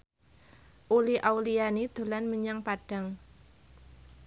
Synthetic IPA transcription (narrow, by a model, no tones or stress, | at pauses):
ʔuliʔawlianid̪̥o̤lanməɲaŋpadɖ̥a̤ŋ